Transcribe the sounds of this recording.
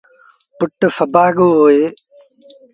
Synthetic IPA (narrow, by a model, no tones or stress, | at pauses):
pʊʈfəbaːɠoːɦoːeː